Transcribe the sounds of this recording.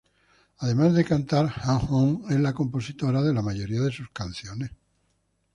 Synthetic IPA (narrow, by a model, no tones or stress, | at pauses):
aðe̞mazðe̞kant̪aɾxaŋxoŋe̞zlako̞mpo̞sit̪o̞ɾaðe̞lamaʝo̞ɾiaðe̞suskan̟θjone̞s